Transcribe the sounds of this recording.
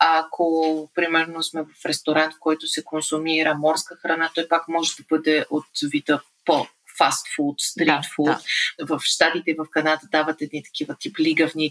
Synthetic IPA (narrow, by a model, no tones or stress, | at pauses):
akʰopɾimɛɾnosmɛvɐfɾɛst̪oɾant̪kɔjt̪ʊsɛkonsʊmiɾəmɔɾskəxɾɐnat̪ɔjpakmɔʒɛd̪ɐbɤd̪ɛʔot̪vit̪ə | po | fast̪fult̪st̪ɾit̪fulˠt̪vɐfʃt̪at̪it̪ɛivɐfkɐnad̪əd̪avət̪ɛd̪nit̪ɐ̥k̟ivət̪ipliɡəvni